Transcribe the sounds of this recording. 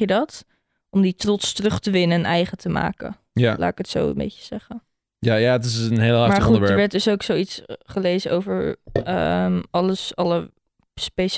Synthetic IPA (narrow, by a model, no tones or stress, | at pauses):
jədɑt | ɔmditrɔtstərɵχtəʋɪnənʔɛjχətəma̰ːkə̰ | jala̰ːɪkətso̰wə̰mbḛjcə̥z̥ɛχə | jajaət̬ɪsənɦejləaːmaχuəɛdəɹɹʋɛɹt̚dɵsowksowitsχəlejzənʔowvəɹ̰ | mɑləsɑlə | spejʃ